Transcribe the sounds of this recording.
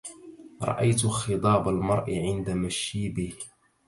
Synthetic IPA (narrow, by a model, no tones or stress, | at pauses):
ɾˤɑ̰ʔajt̪xɨt̪ˤɑːbalmɑɾˤʔɪʕɪnd̪amaʃiːbɪh